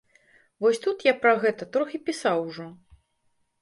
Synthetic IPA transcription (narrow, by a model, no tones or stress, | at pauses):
vɔsʲt̪ut̪japɾɐɣɛt̪ɐt̪ɾɔxʲipʲisawʐɔ